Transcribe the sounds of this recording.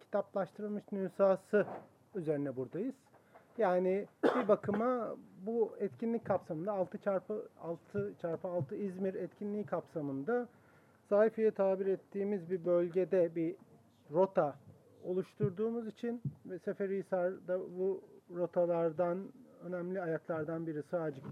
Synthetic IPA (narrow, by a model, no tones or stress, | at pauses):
cʰi̥t̪ʰaplˠaʃt̪ʰɯɾɯlˠmɯʃnyːsaːsɯ | yze̞ɾinɛbuɾd̪ajɯz̥ | jaːnɪbibakʰɯmabuɛt̪cʰinlʲic̚kʰapsamɯnd̪aːlˠt̪ʰɯt͡ʃʰaɾpɯa̰lˠt̪ʰɯt͡ʃʰaɾpɯalˠt̪ʰɯizmiɾɛt̪cʰinlʲiːkʰapsamɯnd̪a | saːhifijɛt̪ʰaːbiɾɛt̪ʰːiːmizbibø̞lʲɟe̞d̪ɛbi | ɾo̞t̪ʰa | o̞lˠuʃt̪ʰuɾd̪uːmuzit͡ʃʰinvɛse̞feɾijsaɾd̪abuɾo̞t̪ʰalˠaɾd̪anø̞næmlʲiajaklˠaɾd̪anbiɾisaːd͡ʒɯk